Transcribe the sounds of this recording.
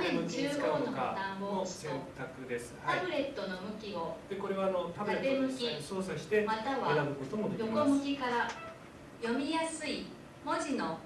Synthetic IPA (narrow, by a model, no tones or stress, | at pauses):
nẽɲɯkɨːɡoːnokat̪ãmboosẽnt̪akɯ̟d̪e̞sɨ̥t̪abɯ̟ɾe̞t̪ːo̞no̞mɯ̟kʲio̞d̪̥e̞ko̞ɾe̞βaːnot̪abɯaɾet̪e̞mɯ̟kkʲiso̞ːsaɕi̥t̪e̞mat̪aβaaabɯkot̪omod̪jokomɯ̟kʲikaɾa | jo̞mʲijasɨi | mo̞ʑino̞